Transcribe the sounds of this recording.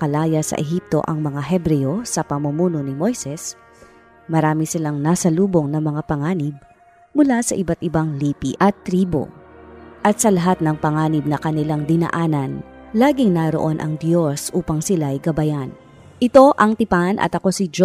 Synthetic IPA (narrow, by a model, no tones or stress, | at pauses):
kɐlaːjɐsɐ̰ʔɛɦip̚t̪o̞̰ʔɐŋmɐŋaɦɛbɾɛjo̞sɐpɐmumuːno̞nɪmo̞jsɛs | mɐɾaːmɪsɪlaŋnasɐluːbo̞ŋnɐŋmɐŋapɐŋaːnɪb̚ | mʊlasɐ̰ʔɪbat̪̚ʔɪbaŋliːpiʔɐt̪ːɾiːbo̞̰ | ʔɐt̪sɐlɐɦat̪̚nɐŋpɐŋaːnɪb̚nɐkɐnɪlaŋd̪ɪnɐ̰ʔaːnɐn | laːɡɪŋnɐɾo̞ʔo̞nʔɐ̰ŋd̪jo̞sʔuːpɐŋsɪlajɡɐbɐjan | ʔɪt̪o̞ʔɐŋt̪ɪpanʔɐ̰t̪ɐko̞sɪd͡ʒ